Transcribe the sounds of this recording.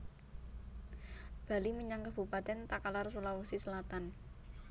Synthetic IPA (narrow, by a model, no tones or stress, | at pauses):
b̥a̤liməɲaŋkab̥ṳpat̪ɛnt̪akalarsulawusisəlat̪an